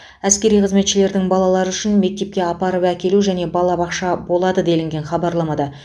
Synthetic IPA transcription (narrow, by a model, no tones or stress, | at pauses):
æskʲe̞ɾijqʰəzme̞t̪ʃɪle̞ɾd̪ɪŋbɑlˠɑlˠɑɾəʏʃɪnme̞k̚t̪e̞p̚kʲe̞ɑpɑɾəpækʲe̞luʒæne̞bɑlˠɑbɑqʃɑbo̞lˠɑd̪əd̪e̞lɪŋɡʲe̞nχɑbɑɾlˠɑmɑd̪ɑ